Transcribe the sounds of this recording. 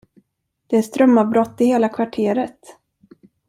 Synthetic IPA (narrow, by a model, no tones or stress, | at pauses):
d̪̥ɛæst̪ɾœmːavbɾɔt̪ːɪheːlakʰvaʈʰeːɾət̪